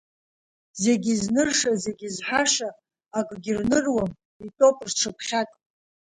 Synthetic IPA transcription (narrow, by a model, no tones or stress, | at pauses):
ze̞ɡʲiznɨrʂaze̞ɡʲizħaʂaː | kʼɡʲirnɨrwam | itʼo̞pʼrʈ͡ʂʰɨpʰχʲatʼ